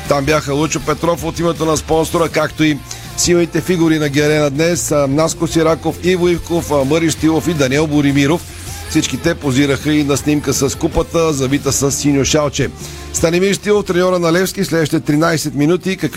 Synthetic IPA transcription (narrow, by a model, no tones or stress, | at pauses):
t̪ambjaxəlˠut͡ʃopɛt̪ɾɔfot̪imɛt̪onɐspɔnsoɾəkakt̪oi | silˠnit̪ɛfiɡuɾinɐɡʲɛɾɛnəd̪nɛsnaskosiɾakofivoifkofməɾiʃt̪ilˠofid̪ɐnʲɛlˠboɾimiɾof | fsit͡ʃkit̪ɛpoziɾəxəinɐsnʲimkəsɐskupət̪əzɐbit̪əsəsːinʲjoʃalˠt͡ʃɛ | st̪ɐnimiɾʃst̪ilˠoft̪ɾɛnʲɔɾənɐlɛfskislɛd̪əʃi̥t̪ɛt̪ɾinajsɛt̪minut̪ikɐk